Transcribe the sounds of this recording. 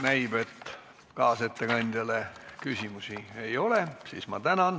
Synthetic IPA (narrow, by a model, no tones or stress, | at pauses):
næjb̥e̞t̪ː | kɑːset̪ːe̞kɑnʲd̪̥ʲjɑle̞kysʲimusiejo̞lesismɑ̰t̪ænɑn